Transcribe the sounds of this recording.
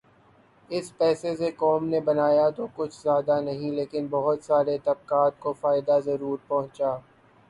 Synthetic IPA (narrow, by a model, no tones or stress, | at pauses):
ɪspɛːsesekɔːmnebɐnaːjat̪okʊt͡ʃʰzjaːd̪anɐɦĩleːkɪnbɐɦʊt̪saːɾet̪ɐb̚kaːt̪̚kofaːɪd̪azɐɾuːɾpɐɦʊ̃t͡ʃaː